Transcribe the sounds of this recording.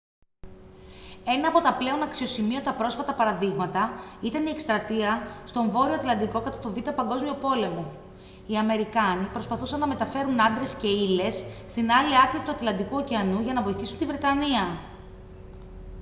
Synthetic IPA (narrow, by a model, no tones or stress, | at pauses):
e̞nɐːpo̞t̪ɐple̞o̞nɐksio̞simio̞t̪ɐpɾo̞sfɐt̪ɐpɐɾɐðiɣmɐt̪ɐit̪ɐnie̞kst̪ɾɐt̪iɐst̪o̞ɱvo̞ɾioɐt̪lɐnd̪iko̞kɐt̪ɐt̪o̞vit̪ɐpɐŋɡo̞zmio̞po̞le̞mo̞ | iɐme̞ɾikɐnipɾo̞spɐθusɐnːɐme̞t̪ɐfe̞ɾunɐnd̪ɾe̞sce̞ile̞sːt̪inɐliɐkɾiɐt̪uɐt̪lɐnd̪ikuociɐnuʝɐnɐvo̞iθisunt̪ivɾe̞t̪ɐniɐ